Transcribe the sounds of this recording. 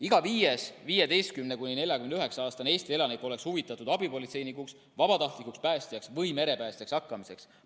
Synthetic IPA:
iɡ̥ɑviːjesviːje̞d̪e̞jst̪̚kymne̞kunʲine̞lʲjɑkymenyɦe̞ksɑɑːst̪ɑne̞ːst̪ie̞lɑnikːˑo̞le̞kshuvit̪ːˑɑt̪ud̪̥ɑbipo̞lit̪se̞jnikuks | vɑb̥ɑt̪ɑht̪likukspæːst̪jɑksvɤjme̞ɾe̞pæːst̪ijɑksɑkːɑmise̞ks

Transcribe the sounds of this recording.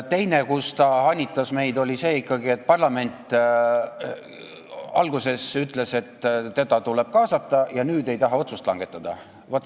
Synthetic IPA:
t̪e̞jnekust̪ɑɑnʲːit̪ːˑɑsme̞jd̪o̞lʲise̞ːikːɑɡie̞t̪̚ːˑpɑrlɑme̞nʲt̪ˑ | ɑ̰lɡuse̞syt̪ːˑle̞se̞t̪t̪ːe̞d̪̥ɑt̪ule̞b̥̚kɑːsɑt̪ːˑɑjɑnyːd̪e̞jt̪ɑɦɑo̞t̪sust̪lɑ̰ŋɡ̥e̞t̪ːˑɑd̪̥ɑ | vot̪ːˑ

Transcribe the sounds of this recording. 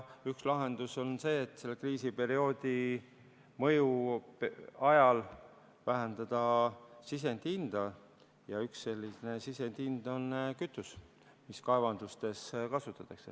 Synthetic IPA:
ykslɑɦe̞nd̪̥uso̞nse̞ːt̪ːˑse̞lːekriːsipe̞ɾio̞ːd̪̥ʲi | mɤ̞ju | ɑjɑl | væɦend̪̥ɑd̪̥ɑsis̬e̞nd̪̥ind̪̥ɑ | jɑyksːe̞lʲːisne̞sise̞nd̪̥ind̪̥o̞nkyt̪ːˑus | miskɑevɑnd̪̥ust̪e̞skɑsut̪ːˑɑt̪ːˑɑkse̞

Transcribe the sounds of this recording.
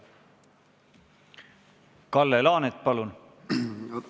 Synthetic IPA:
kɑlːelɑːnet̪̚ːˑpɑlun

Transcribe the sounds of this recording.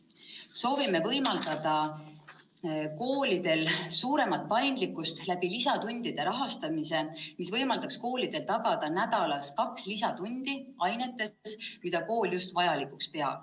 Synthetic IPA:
so̞ːvime̞vɤ̞jmɑld̪̥ɑd̪ɑ | ko̞ːlid̪̥e̞lsuːɾe̞mɑt̪̚pɑjnd̪likːˑust̪læb̥ilisɑt̪unʲd̪̥id̪̥e̞ɾɑɦɑst̪ɑmise̞misvɤjmɑld̪ɑksko̞ːlid̪̥e̞lt̪ɑɡ̥ɑd̪̥ɑnæd̪̥ɑlɑskɑkslisɑt̪unʲd̪̥iɑjne̞t̪ːˑe̞smid̪̥ɑko̞ːljust̪vɑjɑlikˑukspe̞ɑ̰b̥

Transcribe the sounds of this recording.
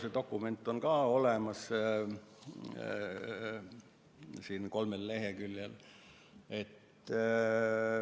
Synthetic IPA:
set̪o̞kːˑume̞nt̪ːˑo̞nkɑːo̞lemɑs | siːnko̞lmelːe̞ɦekyljel | e̞t̪ː

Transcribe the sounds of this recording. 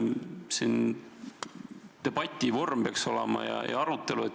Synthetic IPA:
sin | t̪e̞b̥ɑt̪ʲːˑivo̞rmpeɑkso̞lemɑ̰jɑ̰jɑ̰ɑɾut̪ːˑe̞luet̪

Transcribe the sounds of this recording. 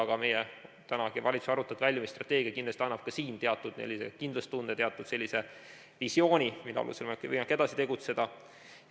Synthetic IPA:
ɑɡ̥ɑme̞jɛt̪ænɑɡ̥ivɑlʲit̪su̥sɑɾut̪ːˑɑd̪̥vælʲjɑmist̪rɑt̪ːˑe̞ːɡ̥iɑkind̪lest̪iɑnːɑb̥kɑsiːnt̪e̞ɑt̪ːˑud̪̥nḛlːisḛkind̪lɑst̪und̪et̪eɑt̪ːˑud̪̥se̞lʲːise̞ | visjo̞ːnʲimit̪ɑ̰ɑ̰lṵselmekːvɤ̰jmɑkːe̞d̪ɑsi̥t̪e̞ɡut̪se̞d̪̥ɑ

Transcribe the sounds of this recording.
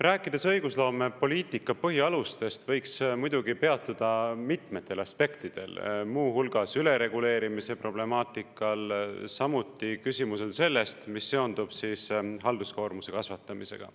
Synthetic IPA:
ræːkːˑid̪̥esɤjɡ̥uslo̞ːme̞po̞lʲiːt̪ˑikːˑɑpɤɦiɑlust̪e̞st̪vɤ̞jksmujd̪̥uɡipe̞ɑt̪ːˑud̪̥ɑmit̪me̞t̪ːˑe̞lɑspe̞kt̪id̪̥e̞̰lmuːhulɡ̥ɑsyle̞ɾe̞ɡule̞ːɾimise̞pro̞ble̞mɑːt̪ˑikːˑɑlsɑmut̪ːˑikysʲimuse̞lse̞lːe̞st̪misːe̞o̞nd̪ub̥sisɦɑld̪usko̞ːrmuse̞kɑsvɑt̪ːˑɑmise̞̰ɡ̥ɑ̰

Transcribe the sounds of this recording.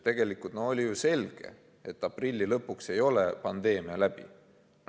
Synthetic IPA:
t̪e̞ɡ̥e̞likult̪noo̞lʲijuse̞lʲɡ̥e̞̰ | et̪ːˑɑprilʲːilɤpːukse̞jo̞lepɑnd̪e̞ːmiɑlæb̥ḭ

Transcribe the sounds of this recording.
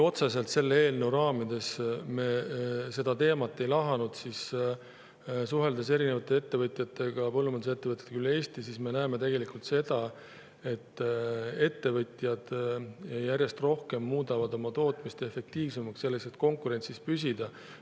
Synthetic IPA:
o̞t̪sese̞lt̪se̞lːee̞ːlnewɾɑːmid̪̥e̞sme̞se̞d̪ɑt̪e̞ːmɑt̪ːˑe̞jlɑɦɑnud̪̥sis | s̬uɦe̞ld̪̥ese̞ɾine̞vɑt̪ːˑe̞e̞t̪ːe̞vɤt̪ˑjɑt̪ːe̞ɡ̥ɑpɤlːumɑnd̪use̞t̪ːe̞vət̪jɑt̪ekylːe̞ːst̪isisme̞næeme̞t̪e̞ɡ̥e̞likult̪se̞d̪̥ɑ | e̞t̪ːe̞t̪ːe̞vɤt̪ʲˑjɑd̪̥ | jæɾʲje̞st̪ro̞hke̞mːuːd̪ɑvɑd̪o̞mɑt̪o̞ːt̪ˑmist̪e̞fe̞k̚t̪iːvsemɑksse̞lːe̞kse̞t̪ko̞ŋkuɾe̞nt̪sispysʲid̪̥ɑ

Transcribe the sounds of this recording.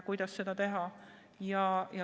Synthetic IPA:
kujd̪ɑssed̪ɑt̪eɦɑ | jɑjɑ

